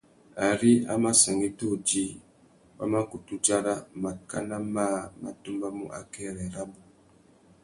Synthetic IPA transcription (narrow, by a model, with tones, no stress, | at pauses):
a˨ɾi˦a̰˦ma˦sa˨ŋi˦to˦˨d͡ʒi˦ | wa̰˦ma˦ku˨tu˦d͡ʒa˦ɾa˦ma˨ka˦na˦ma˦˨ma̰˨tu˦mba˦mṵ˦ʔa̰˨kɛ˦˨ɾɛ˨ɾa˦bu˨